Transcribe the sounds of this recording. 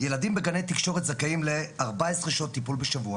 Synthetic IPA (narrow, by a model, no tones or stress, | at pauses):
je̞lad̪imbeɡanejt̪ikʃo̞ʁet̪zakaimle̞aʁbaesʁeʃot̪ːipulbeʃavua